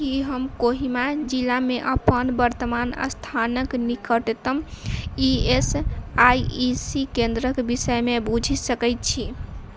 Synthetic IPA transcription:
kiɦəmkoɦimad͡ʒilameʔəpənbəɾt̪əmanə̰st̪ʰanəknikəʈt̪əmiesajisikend̪ɾəkbisəjmebud͡ʒʱisəkəjt̪̚t͡ʃʰi

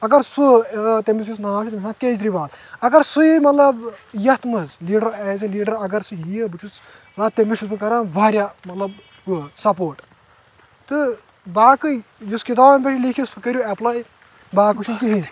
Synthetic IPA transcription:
ɐɡɐɾsut̪emis̬jus̬naːʃit̪mʲismaːkeːd͡ʒ̪ɾibaːt̪ɐɡɐɾsuimɐt̪lɐbjɐt̪mɐzliːɖɐɾeːs̬iliːɖɐɾɐɡɐɾsɨɦijɐbɨt͡ʃʰus | laːt̪emiʃusmɨkɐɾãːnʋaːɾʲjaːmɐt̪lɐb | sɐpoːʈ | t̪ɨ | baːkɨjuskit̪aːbɐnpʲɐt͡ʃʰilikʰisukɐɾjuɛplaː | baːkuʃʰunkiɦi

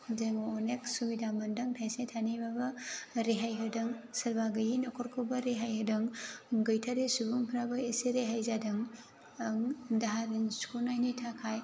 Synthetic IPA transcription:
deŋɔnek̚subidamɐndɐŋtʰajsetʰanibabɐɾeɦajɦɯdɐŋsɐɾbaɡɯjinɐkʰɔɾkʰobɐɾeɦajhɯdɐŋɡɐjtʰaɾesubuŋpʰɾabɐeseɾeɦajzadɯŋ | ɐŋdaɦaɾinskunajnitʰakʰaj

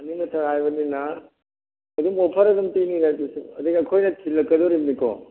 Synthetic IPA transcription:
ɐninɐtʰɐɾajbɐninɐ | ɐd̪umopʰɐɾɐdumtiniɾajbisuɐd̪iɡiɐkʰojnɐtʰilːɐkːɐd̪oɾimnikɔ̰

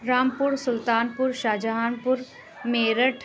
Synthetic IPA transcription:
ɾaːmpʊɾsʊlt̪aːnpʊɾʃaːd͡ʒəɦaːnpʊɾ | meːɾəʈʰ

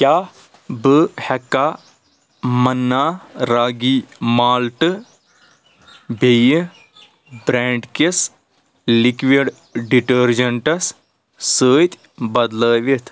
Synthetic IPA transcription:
kʲjaː | bɨhɐkːaː | mɐnːaːɾaːɡiːmaːlʈɨ | bʱej | bɾɛːɳɖkes | likʋiɖ | ɖiʈəɾd͡ʒɐɳʈɐs | səːt̪ʲ | bɐd̪ləːʋit̪ʰ

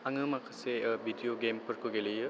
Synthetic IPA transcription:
aŋɯmakʰɯsebʱidijoɡempʰɯɾkʰuɡelɯjɯ

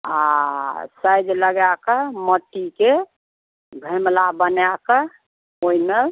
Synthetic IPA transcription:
a | səjd̪ləɡjakəməʈːike | bʱəmlabənjakə | oime

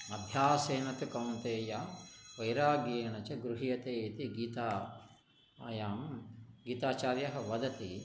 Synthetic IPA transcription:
ɐb̪ʱjaːseːnɐt̪ukɐwnt̪eːjaːʋɐjɾaːɡeːɳɐt͡ʃɐɡɾuɦijɐt̪eːit̪iɡiːt̪aː | jaːmɡiːt̪aːt͡ʃaːɾjɐɦɐ̆ʋɐd̪ɐt̪i

